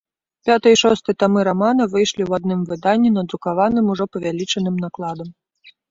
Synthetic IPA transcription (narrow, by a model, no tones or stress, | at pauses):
pʲat̪ɐjiʂɔst̪ɨt̪amɨɾamanɐvɨjʂlʲiwad̪nɨmvɨd̪anʲːinɐd̪ɾukavanɨmuʐɔpɐvʲalʲit͡ʂɐnɨmnaklˠad̪ɐm